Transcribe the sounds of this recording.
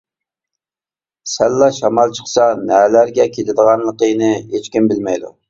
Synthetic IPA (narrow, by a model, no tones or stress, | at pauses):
sælːɑʃɑmɑlˠt͡ʃʰə̥qsɑnɛlæɾɡʲɛkʲʰelɪd̪əʁɑnlˠəqəjnɨet͡ʃkʲimbɪlmɛjd̪ṵ